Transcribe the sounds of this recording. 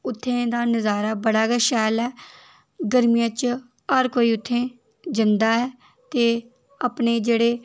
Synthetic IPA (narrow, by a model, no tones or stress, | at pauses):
ʊt̪ʰːẽːd̪aːnəzaːɾaːbəɽaːɡɛːʃɛːlɛː | ɡəɾmijət͡ʃ | aːɾkoːiːʊt̪ʰːẽː | d͡ʒɪnd̪aːɛː | t̪eː | əpneːd͡ʒeːɽeː